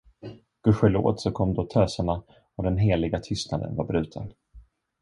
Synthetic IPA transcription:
ɡ̥ɵɧəlo̰ːd̪sɔkʰɔmːd̪oːt̪ʰøːsaɳa | ɔd̪ɛnɦeːlɪɡat̪ʰʏst̪nad̪ə̰nvaɾbɾʉ̟ːt̪ʰən

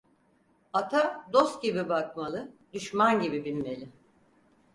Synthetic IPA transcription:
at̪ʰad̪o̞st̪̚ɟibibakmalˠɯd̪yʃmanɟibibilʲme̞lʲɪ

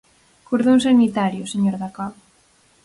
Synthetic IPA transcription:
kuɾðons̬amit̪aɾjʊseɲoɾðakaβ

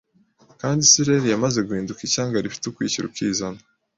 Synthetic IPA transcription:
kaːndisiɾeɾijamaze̞ɡuhiːndukicaːŋɡaɾifi̥tukwiːciɾṵkizana

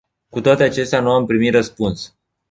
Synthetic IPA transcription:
kut̪oat̪eat͡ʃe̞st̪eanuampɾimit̪rəspuns

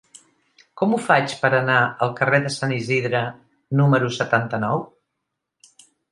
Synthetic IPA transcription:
kɔmufat͡ʃpəɾənaəlˠkəreðəsaniziðɾə | numəɾusət̪ant̪ənɔw

